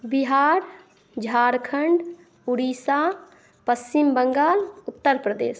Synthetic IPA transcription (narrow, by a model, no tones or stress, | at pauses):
biɦaːɾ | d͡ʒʱaːɾkʰəɳɖ | uɽiːsaː | pəst͡ʃimbəŋɡaːlʊt̪ːəɾpɾəd̪ḛːs